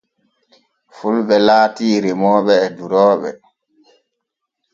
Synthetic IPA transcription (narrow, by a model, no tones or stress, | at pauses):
fulɓɛlaːtiːɾɛmɔːɓɛːduɾɔːɓɛ̰